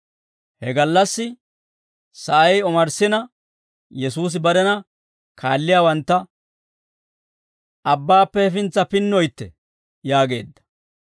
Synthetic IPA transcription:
hɛɡɐlːɐsːɪ | sɐʔɐjɔmɐɾsɪnɐ | jɛsuːs̬ɪbɐɾɛnɐ | kʰaːlːɪjaːwɐnt̪ːɐ | ɐbːaːpːɛɛfɪnt͡sːɐpɪnːɔjt̪ːɛ̰ | jaːɡe̞̰ːd̪ːɐ̥

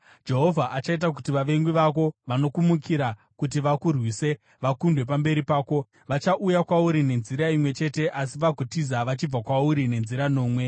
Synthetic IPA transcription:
d͡ʒe̞ɦo̞vʱaʔat͡ʃait̬ak̬utiʋaʋe̞ŋɡiʋako̞ʋano̞kumukiɾa | kut̬iʋakurwiːse̞ | ʋakundwep̬ambe̞ɾipaːko̞ | ʋat͡ʃaʔujakwauɾine̞nziɾaimwe̞t͡ʃe̞te̞ʔas̬iʋaɡʱotizaʋat͡ʃib͡vakwauɾine̞nziɾano̞ːmwe̞

